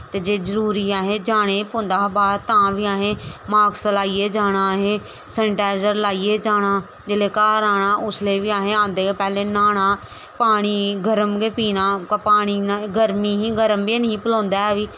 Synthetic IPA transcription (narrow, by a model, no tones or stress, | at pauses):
t̪eːd͡ʒeːzəɾuːɾiːaːɦẽːd͡ʒaːɽ̃eːpõnd̪aːbaːd̪̚t̪ãːʋiːaːɦeːmaːɡsəlaːiːeːd͡ʒaːɽ̃aːɦeː | səɳʈaːzəɾlaːiːeːd͡ʒaːɽ̃aː | d͡ʒeleːkaːɾaːɽaːʔʊsleːʋiːaːɦẽːãːnd̪eːepɛːleːnaːɽ̃aː | paːɽ̃iːɡəɾəmɡeːpiːnaːkpaːɽ̃iːnɡəɾmiːɦĩːɡəɾəmbeːnəĩːpəlõːnd̪aːɛːʋiː